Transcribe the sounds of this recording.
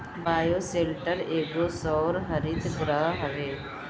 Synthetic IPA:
baːjoseːlʈəɾeːɡosɔːɾɦəɾiːd̪ɡɾəɦɦɐʋeː

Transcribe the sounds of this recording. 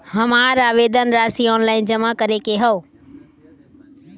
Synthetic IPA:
hɐmaːɾaːʋeːd̪ənɾaːsiɔːnlaːɪnd͡ʑɐmakɐɾekeɦɐoː

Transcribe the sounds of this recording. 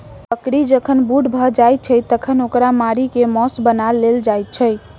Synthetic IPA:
pəkɾid͡ʒəkʰənbuɖbʱəd͡ʒajt̪̚t͡ʃʰəjt̪əkʰənokɾamaɾikemɔsbənalːeld͡ʒajt̪̚t͡ʃʰəj

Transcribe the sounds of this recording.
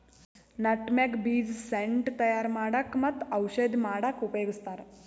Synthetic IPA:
nɐʈmekbiːd͡zseɳʈt̪ɐjaɾmaːɽakmɐt̪ːɐwʃəd̪ʱmaːɽakupjoːɡist̪aɾ

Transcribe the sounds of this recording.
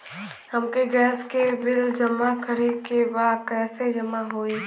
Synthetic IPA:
həmkeɡɛːskebɪld͡ʒɐmakʰəɾekebaːd̪̚kɛːsed͡ʒəmaɦoːiː

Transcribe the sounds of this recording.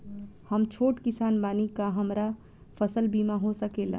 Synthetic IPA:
həmt͡ʃʰoːʈkɪsaːnbaːnikaɦəmɾa | pʰəsəlbiːmaɦosəkela̰

